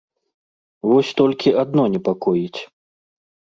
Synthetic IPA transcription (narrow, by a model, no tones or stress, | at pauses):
vɔsʲt̪ɔlʲkʲiad̪̚nɔnʲɛpakɔjit͡sʲ